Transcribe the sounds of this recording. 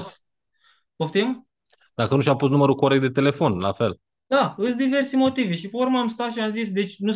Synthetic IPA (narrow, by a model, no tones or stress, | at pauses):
s | oft̪im | d̪akənuʃ̬ʲapust̪numəɾukoɾek̚t̪̚d̪e̞t̪e̞le̞fo̞nlafe̞l | d̪̥aɨsd̪ive̞rsimo̞t̪iveʃipeuɾməamst̪at̪ʃiamzis̬d̪e̞t͡ʃʲnu